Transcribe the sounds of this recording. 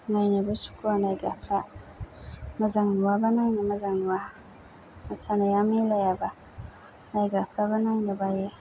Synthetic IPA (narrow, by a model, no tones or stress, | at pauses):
najnabusu̥kuwanaɡapʰa | mazaŋnuwabananamazaŋnuwa | masanajamelajaba | naɡapɾabananebaje